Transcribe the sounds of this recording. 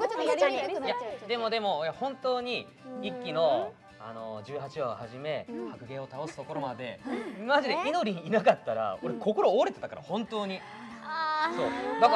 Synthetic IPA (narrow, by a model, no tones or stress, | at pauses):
jad̪e̞mo̞d̪e̞mo̞jahõ̞nt̪o̞ːɲ̟i | ikʲːino̞ | a̰no̞̰d͡ʑɨːɦat͡ɕiahaʑime̞hakɯ̟ɡẽ̞o̞t̪ao̞sɨ̥t̪o̞ko̞ɾo̞mad̪e̞maʑid̪e̞ino̞ɾʲiɲ̟iːnakat̪ːaɾa̰o̞ɾekʰo̞ko̞ɾo̞ːaɾe̞t̪e̞t̪akaɾa̰hõ̞nt̪o̞ːɲ̟i | so̞ːɡak